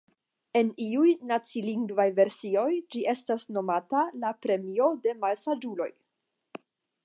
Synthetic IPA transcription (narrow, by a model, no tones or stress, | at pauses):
e̞niujnat͡siliŋɡvajve̞ɾsio̞jd͡ʒiʔe̞stasno̞matalapɾe̞mio̞de̞malsad͡ʒulo̞̰j